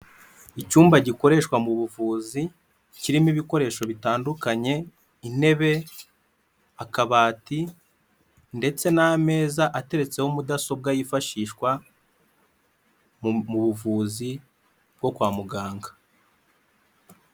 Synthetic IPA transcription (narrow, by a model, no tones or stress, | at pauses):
icuːmbaɟiko̞ɾe̞ʃkwamuβuvuːzi | ciɾimiβiko̞ɾe̞ːʃo̞βitaːndukaɲe̞ | ine̞βe̞ | akaβaːti | nde̞t͡se̞name̞ːzaʔate̞ɾe̞t͡se̞homudaso̞b̚ɡajifaʃiːʃkwa | muβuvuːzi | b̚ɡo̞kwaːmuɡaːŋɡḁ